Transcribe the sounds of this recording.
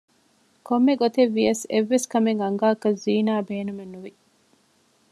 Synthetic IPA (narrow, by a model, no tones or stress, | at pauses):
komːeɡot̪eʋːiɐseʋːeskɐmeŋɐŋɡaːkɐziːnaːbeːnumenːuʋi